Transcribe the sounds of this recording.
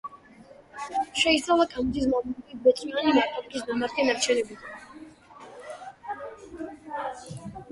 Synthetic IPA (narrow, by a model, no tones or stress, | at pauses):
ʃɛist̪sʰʼalˠakʰamd̪is̬makʼibɔt̪sʼmianimaɾt̪ʰʼɔmd̪is̬mamaɾt̪ɛnaɾt͡ʃʰɛnɛbit̪ʰa